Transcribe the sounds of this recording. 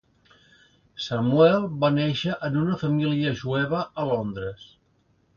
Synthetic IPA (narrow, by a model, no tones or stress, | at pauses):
səmwɛlˠbanɛʃəʔənunəfəmiliəʒuɛβəʔəlond̪ɾəs